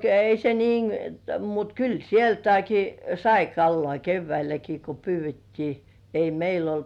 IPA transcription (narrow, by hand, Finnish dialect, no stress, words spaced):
ei se niːn mut kyl sieltæiki sɑi kɑlːoɑˑ keʋːæilæki ko pyːʋˑetːiː ei meil olt